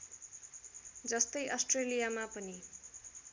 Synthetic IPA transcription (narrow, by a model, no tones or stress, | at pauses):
d͡zʌst̪ʌjʔʌsʈrelijamapʌni